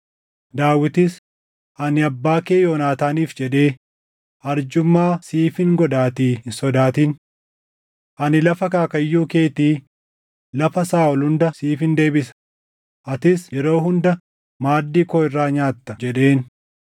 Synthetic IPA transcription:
d̪aːwɪt̪ɪs | ʔɐnɪɐbːaːkeːjoːnaːt̪aːniːfd͡ʒɛᶑe̞ː | ɐɾd͡ʒʊmːaːsiːfɪŋɡɔd̪aːt̪iːsɔd̪aːt̪in | ʔɐnɪlɐfɐkaːkɐjːuːke̞ːt̪iː | lɐfɐsaːɔlhʊnd̪ɐsiːfɪnd̪e̞ːbɪsɐ̥ | ʔɐt̪ɪsjɛɾo̞ːɦʊnd̪ɐ | maːd̪ːiːkoːɪrːaːɲaːt̪ːɐd͡ʒɛᶑe̞ːn

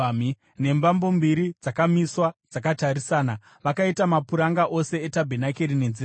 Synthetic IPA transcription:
i | ne̞mbambo̞mbiɾid͡zakamiswad͡zakataɾisaːna | ʋakaitamapuɾaŋɡaʔo̞se̞etabʱenakeɾine̞nzi

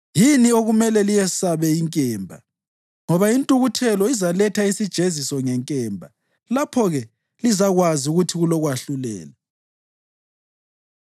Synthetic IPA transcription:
jinioɣumɛlɛlijɛsaβɛiŋkʼɛːmbʱa | ŋɔβaintʼuɣutʰɛlɔizalɛtʰaisid̥ʒ̥ʱezisɔŋɛŋkʼɛːmbʱa | lapʰɔɣɛ | lizaɣwaziuɣutʰiɣulɔɣwaɬulɛ̰ːlɛ

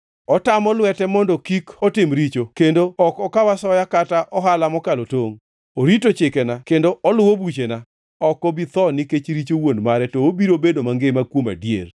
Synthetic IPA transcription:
ɔtamɔlwɛtɛmɔndɔkikɔtɪmɾit͡ʃokendoɔkɔkawasɔjakataʔɔɦalamɔkalotoŋ | oɾitot͡ʃɪkɛnakendoɔlʊwobut͡ʃena | ɔkɔbit̪ɔnɪket͡ʃɾit͡ʃowondmaɾɛtɔobiɾobedomaŋɡɪmakwoma̰djḛr

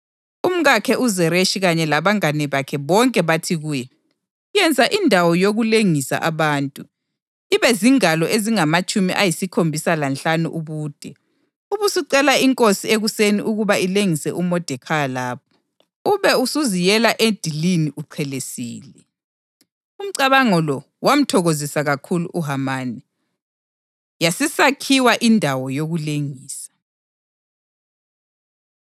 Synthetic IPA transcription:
um̩ɣakʰɛʔuzɛɾeʃiɣaɲɛlaβaŋanɛβakʰɛβɔŋkʼɛβatʰiɣuːjɛ | jɛnd͡zʱaʔindʱawɔjoɣuleŋisa̰ʔaβaːntʼu | iβɛziŋalɔʔeziŋamat͡ʃʼumiʔajisikʰombʱisalanɬanṵʔuβuːd̥ʱɛ | uβusiǀɛlaiŋkʼosieɣuseniʔuɣuβaileŋisɛʔumɔd̥ʱɛkʰalaːp̚ʰɔ̥ | uβɛusuzijɛlaʔed̥ʱiliniʔuǀʰɛlesiːlɛ | um̩ǀaβaŋɔlɔ | wam̩tʰɔɣozisaɣakʰulṵʔuɦamaːni | jasisakʰiwaʔindʱawɔjoɣuleŋiːsḁ

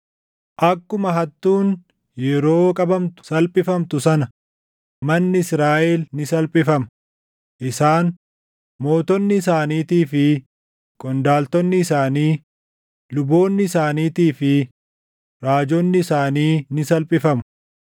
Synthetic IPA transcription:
ʔɐkːʊmɐɦɐt̪ːuːn | jɛɾo̞ːkʼɐbɐmt̪ʊ̥sɐlpʼɪfɐmt̪ʊsɐnɐ | mɐnːɪsɾaːʔɛːlnɪsɐlpʼɪfɐm | ʔɪsaːn | mo̞ːt̪ɔnːɪːsaːniːt̪iːfɪ | kʼɔnd̪aːlt̪ɔnːɪsaːniː | lʊbo̞ːnːɪsaːniːt̪iːfɪ | ɾaːd͡ʒɔnːɪːsaːniːnɪsɐlpʼɪfɐmʊ

